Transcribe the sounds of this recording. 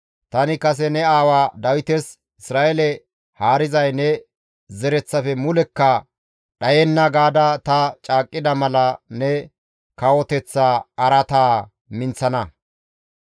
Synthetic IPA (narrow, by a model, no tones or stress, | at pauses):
t̪ɐnɪkɐs̬ɛnɛaːwaːd̪ɐwɪt̪ɛs | ɪsɾaːʔɛlɛ | haːɾɪzɐjnɛ | zɛɾɛt͡sːɐfɛmʊlɛkːɐ | ɗɐjɛnːɐɡaːd̪ɐt̪ɐt͡ʃʼaːkʼːɪd̪ɐmɐlɐnɛ | kɐwɔt̪ɛt͡sːaːɐɾɐt̪aː | mɪnt͡sɐnɐ